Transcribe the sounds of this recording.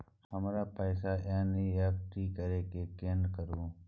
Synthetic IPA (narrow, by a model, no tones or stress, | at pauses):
həmɾaːpəːsaːʔãːniːaːp̚ʈʰiːkəɾeːkeːkeːnkəɾũː